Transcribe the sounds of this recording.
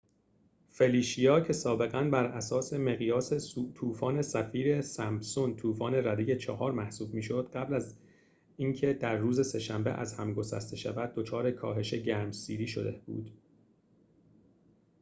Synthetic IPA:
fe̞liːʃijɒːcʰe̞sɒːbe̞ɣænbæɾæsɒːse̞meɣijɒːset̪ʰuːfɒːnesæfiːɾe̞sæmbsont̪ʰuːfɒːne̞ɾæd̪ejet͡ʃʰɒhɒːɾmæhsuːbmiːʃo̞d̪̥ɢæblæz | iːŋcʰe̞d̪̥æɾːuːze̞se̞ʃæmbe̞̰ʔæ̰zhæmɡo̞sæ̰st̪e̞ʃæ̰væd̪̚ːo̞t͡ʃʰɒːɾe̞kʰɒ̰ːɦe̞ʃe̞ɟæːɾmsiːɾiːʃo̞̰d̪ḛb̥ṵːd̪̥

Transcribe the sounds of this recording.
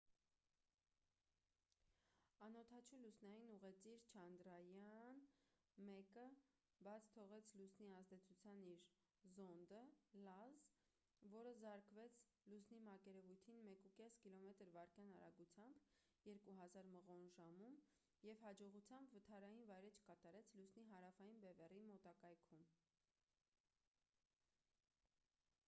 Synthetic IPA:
ɑnɔt̪ʰɑt͡ʃʰulusnɑjinuʁɛt͡siɾt͡ʃʰɑnd̪ɾɑjɑn | mɛkə | bɑt͡sʰt̪ʰɔʁɛt͡sʰlusniɑzd̪ɛt͡sʰut͡sʰjɑniɾ | zɔnd̪əlɑz | vɔɾəzɑɾkvɛt͡sʰ | lusnimɑkɛɾɛvujt̪ʰinmɛkukɛskilɔmɛt̪əɾvɑɾkjɑnɑɾɑ̰ɡut͡sʰjɑmb | jɛɾkuɦɑzɑɾməʁɔnʒɑmum | jɛvhɑd͡ʒɔʁut͡sʰjɑmbvət̪ʰɑɾɑjinvɑjɾɛt͡ʃʰkɑt̪ɑɾɛt͡sʰlusniɦɑɾɑfɑjinbɛvɛrimɔt̪ɑkɑjkʰum

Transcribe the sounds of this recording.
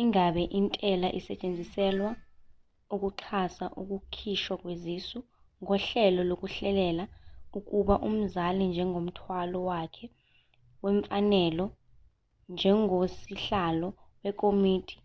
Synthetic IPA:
iŋaɓɛʔintʼɛlaʔisɛt͡ʃʼend͡zʱisɛlwa | uk̬ʼuǁʰasaʔuk̬ʼukʰiʃwak̬ʼwezisu | ŋɔɬɛlɔlok̬ʼuɬɛlɛlauk̬ʼuɓaʔum̩zalind͡ʒʱɛŋʱom̩tʰwalɔwakʰɛ | wɛɱfanɛlɔ | nd͡ʒʱɛŋosiɬalɔwɛkʼomiːtʰi̥

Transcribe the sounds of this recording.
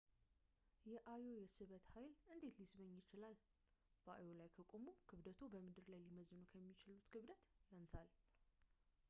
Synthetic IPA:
jɛʔajo̞jɛsɨβət̪hajlʔɨnd̪e̞t̪lisbəɲːjɪt͡ʃɪlal | b̥əʔa̰jo̞lajkʰəkʼomukʰɨβd̪ət̪ʰobəmɨd̪ɨɾlajliməzɨnukʰəmːit͡ʃɪlut̪kʰɨβd̪ət̪jansal

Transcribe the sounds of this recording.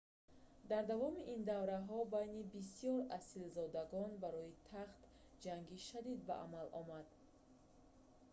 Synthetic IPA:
d̪aɾd̪avɔmiʔind̪avɾaɦɔbajnibis̬ijɔɾasilzɔd̪aɡɔnbaɾɔit̪ʰaχt̪ | d͡ʒaŋɡiʃad̪id̪̚ba̰ʔa̰malʔɔmad̪

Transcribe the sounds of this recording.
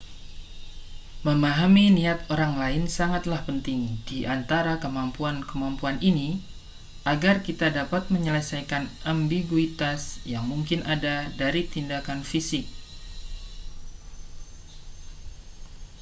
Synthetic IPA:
məmaɦaminiat̪oɾaŋlaɪnsaŋat̪lahpənt̪ɪŋd̥iʔant̪aɾakəmampuankəmampuanini | ʔaɡarkit̪adapat̪̚məɲələsajkanambiɡuit̪asjaŋmuŋkɪnadadaɾit̪indakanfisɪk̚

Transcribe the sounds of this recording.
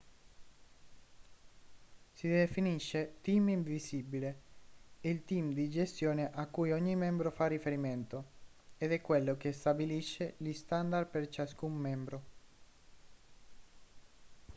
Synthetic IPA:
sid̪efiniʃːet̪imiɱvisibile | ilt̪imd̪id͡ʒest̪joːneʔakːujɔɲːimɛmbɾofarːifeɾiment̪oed̪ɛkːwelːok̟est̪abiliʃːelist̪and̪arpert͡ʃaskumːɛmbɾo

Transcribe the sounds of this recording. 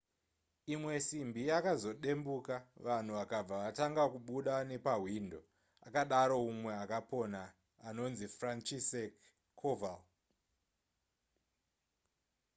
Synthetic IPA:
imwe̞simbijakazo̞ɗe̞mbukaʋan̤uʋakab͡vaʋataŋɡakuɓuɗane̞paɦwindo̞̰ | a̰kaɗaɾo̞umwe̞akaponaː | no̞nzifrant͡ʃisekʰː | oval

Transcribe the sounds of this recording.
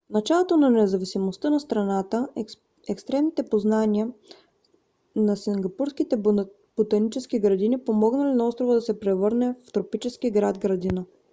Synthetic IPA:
fnɐt͡ʃalˠot̪onɐnɛzɐvisimost̪ənɐst̪ɾɐnat̪ə | ɛkst̪ɾɛmnit̪ɛpoznaniə | nɐsiŋɡɐpuɾskit̪ɛ | b̥ut̪ɐnit͡ʃɛsk̟iɡɾɐd̪inipomɔɡnɐlinɐɔst̪ɾovəd̪ɐsɛpɾɛvɤɾnɛft̪ɾopit͡ʃɛsk̟iɡɾad̪ɡɾɐd̪inə

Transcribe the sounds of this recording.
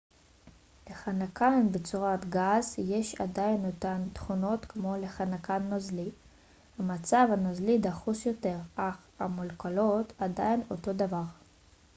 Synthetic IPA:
le̞χanakanbet͡suʁat̪ɡazjeʃa̰dajnːotant̪χuno̞t̪kmo̞leχanakanːazli | hamat͡savanazlidaχusjo̞te̞ʁaχamulkalo̞t̪adaino̞to̞davaʁ

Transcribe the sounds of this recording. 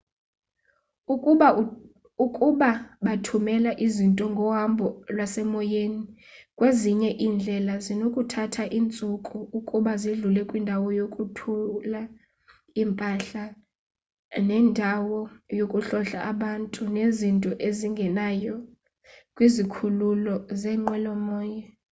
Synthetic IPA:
ukʼuɓaɓatʰumɛlaʔizintʼɔŋɡʱɔwambʱɔlwasɛmɔjeni | kʼweziɲɛʔiːnd͡ɮʱɛlazinokʼutʰatʰaʔint͡sʼukʼuukʼuɓaziɮulɛkʼwindʱawɔjokʼutʰula | impʼaɬa | nɛndʱawɔjokʼuɬɔɬaʔaɓantʼunezintʼɔʔeziŋɡʱɛnajɔ | kʼwizikʰululɔzɛŋ͡ǃwɛlɔmɔːjɛ

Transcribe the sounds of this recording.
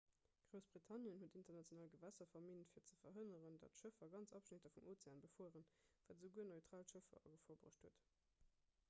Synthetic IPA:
ɡ̥ʁoʊsb̥ʁitʰɑnjənhuətintɐʁnɑtt͡sjonaːlɡəvæsɐfɐmintfiːɐt͡səfɐɦənəʁəndɑ̰tʃəfɐɡɑnt͡sɑpʃnetɐfumʔoːt͡seaːnbəfoːʁənvæːtzəʊɡuənoɪtʁ̥aːltʃəfɐ̰ʔɐ̰ɡəfoːɐbʁə̰ʃthuət

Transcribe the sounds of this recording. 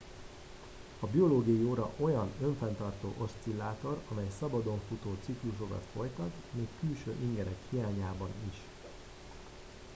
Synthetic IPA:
ɒbio̞loːɡiɒjioːɾɒ̰ʔo̞jɒnø̞ɱfɛnt̪ɒrt̪o̰ːʔo̞st̪silːaːt̪o̞ɾɒmɛjsɒbɒd̪o̞ɱfut̪oːt̪sikluʃ̬o̞kɒ̰t̪fo̞jt̪ɒt̪ | meːkːylʃø̰ːʔiŋɡɛɾɛkhijaːɲaːbɒniʃ

